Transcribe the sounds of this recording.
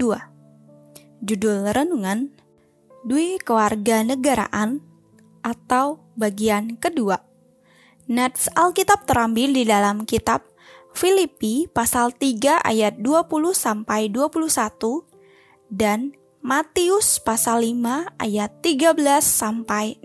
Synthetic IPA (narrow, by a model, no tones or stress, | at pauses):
dua | d͡ʒudʊlrənuŋan | duikəwarɡanəɡaɾa̰ʔan | ʔat̪au | baɡiankədua | nɛt̪salkit̪ap̚t̪əɾambɪldidalamkit̪ap̚ | filipipasalt̪iɡaʔa̰jat̪̚duapuluhsampajduapuluhsat̪u | dan | mat̪iʊspasalːimaʔa̰jat̪ːiɡabəlasːampaj